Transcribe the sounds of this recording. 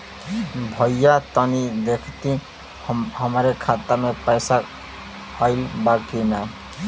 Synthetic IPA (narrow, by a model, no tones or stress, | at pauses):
bʱʌjjat̪ʌnid̪ekʰt̪i | ɦʌmɾekʰat̪aɾmepəjsa | ʌjlbakina